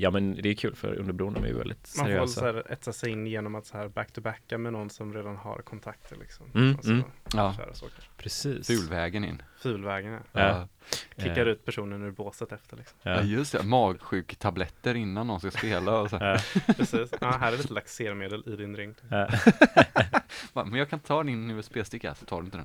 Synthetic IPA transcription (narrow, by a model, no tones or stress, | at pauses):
jɑːmɛnd̪ɛkʰʉːlfœ̰ɾɵ̰nd̪əbɾuːənəmɛ̰jʏ̰vɛ̰ld̪ɪ̰t̪manɾfœɛlsæːɾɛ̰t̪sasɛjɪnːjeːnɔmat̪sahæːɾbækt̪ʰɵbækːamɛnɔnːsɔmɾeːd̪anɦa̰ɾkʰɔnt̪ʰakt̪ʰəɭɪ̰ksɔmː | ɑːœ̰ːɾa̰sɑ̰ːkəɾpʰɾɛsiːsfʉ̟ːlvɛːɡənɪ̰nːfʉ̟ːlvɛːɡənɛ̰ɾːkʰɪkkːaɾʉ̟ːt̪̚pʰæʂuːnənʉɾboːsət̪ɛft̪əɭɪksɔmɑjɵst̪ɛ̰mɑːɡɧʉ̟ːkt̪ʰablɛt̪ːəɾɪnːand̪ɔnskaspeːlaɔsɔæpʰɾɛsiːsɑːɦæːɾɛɾliːt̪əlak̚t̪seːɾmeːd̪əlɪd̪ɪnɾɪŋkt̪ː | bamɛnjɑːɡkʰanɪt̪ət̪ʰɑːd̪ɪnːyːaspeːlst̪ɪkːa̰sɔ̥t̪ʰɑːɾɵnɪəd̪ɛ̰n